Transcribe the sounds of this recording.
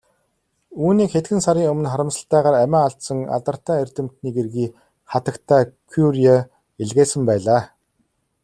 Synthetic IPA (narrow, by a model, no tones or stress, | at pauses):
uːniːkxet̪ɡɘ̆nsaɾiːŋɵmɘ̆nχaɾə̆msə̆ɬt̪æːʁaːɾæmʲæːaɬt̪sə̆ŋa̰t̪ə̆r̥t̪æːerʲt̪ɘ̆m̥t̪niːɡerɣiː | χat̪ə̆kt̪ʰæːkʰuɾia | eɮɣeːsə̆mpæːɮaː